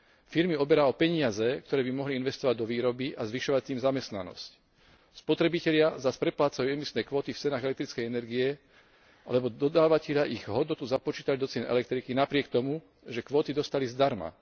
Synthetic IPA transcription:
fiɾmiɔbɛɾaɔpɛɲɪazɛkt̪ɔɾɛːbimɔɦliinʋɛst̪ɔʋaɟ̚d̪ɔʋiːɾɔbiʔazʋiʃɔʋat̪iːmzamɛst̪na̰nɔ̰sc | spɔt̪ɾɛbicɛlɪazaspɾɛplaːt͡sajuːɛmisnɛːkʋɔːt̪ift͡sɛnaːɣɛlɛk̚t̪ɾit͡skɛjɛnɛɾɡiɛ | a̰lɛbɔd̪ɔd̪aːʋacɛʎɪaʔiɣɦɔd̪nɔt̪uzapɔt͡ʃiːt̪alid̪ɔt͡sɪɛnɛ̰lɛk̚t̪ɾikinapɾɪɛk̚t̪ɔmu | ʒɛkʋɔːt̪id̪ɔst̪alizd̪aɾma̰

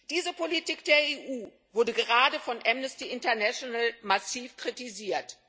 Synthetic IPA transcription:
d̥iːzəpʰolitiːk̚d̥eːɐeːʔuː | vʊɐdəɡəʁaːdəfɔnʔɛmnəstiʔɪntɐɐnaʃonalmasiːfkʁ̥itiziːɐt

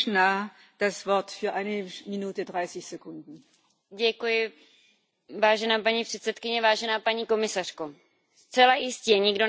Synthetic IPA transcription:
naː | d̥asv̥ɔɐtfyːɐʔaɪnəminuːtədʁaɪsɪçz̥ekʰʊndn̩ | ɟɛkujɪ | vaːʒɛnaːpaɲiːpr̝̥ɛt̪sɛt̪kɪɲɛvaːʒɛnaːpaɲiːko̞mɪsar̥ko | st͡sɛlajɪscɛɲɪɡdo̞

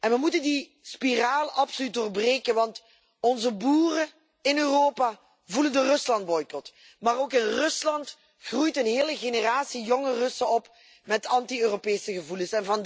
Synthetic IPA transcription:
ʔɛnʋəmutəndi | spiraːləɑpsolyt̚doːrbreːkənʋɑnt | ɔnzəbuːrə | ɪnøːroːpa | vuləndərɵslɑnt̚bɔjkɔt | maːroːkɪnrɵslɑnt | χrujtənɦeːləɣeːnəraːtsijɔŋərɵsəɔp | mɛtɑntiøːropeːsəɣəvuləsɛnvɑn

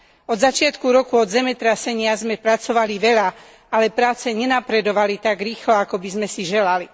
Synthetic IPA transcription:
ɔd̪zat͡ʃɪat̪kuɾɔkuɔd̪zɛmɛt̪ɾasɛɲɪazmɛpɾat͡sɔʋaliʋɛʎa | alɛpɾaːt͡sɛɲɛnapɾɛd̪ɔʋalit̪aɡɾiːxlɔakɔbizmɛsiʒɛlali

